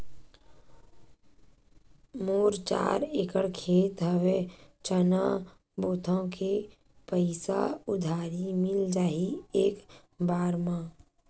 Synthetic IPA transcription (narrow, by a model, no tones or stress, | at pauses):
moːɾt͡ʃa̰ːɾekəɽkʰeːt̪ɦəwet͡ʃəna | boːt̪ʰãke | pəɪsa̰ʊd̪ʱaːɾimɪld͡ʒaːieːk | baːɾmã